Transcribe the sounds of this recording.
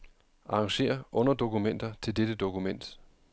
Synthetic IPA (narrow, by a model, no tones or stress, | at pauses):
ʔɑ̈ɑŋɕe̝̰ːɐʔɔ̽n̰ɐd̥o̝kumen̰d̥ɐt͡sʰe̝lded̥əd̥o̝kumen̰d̥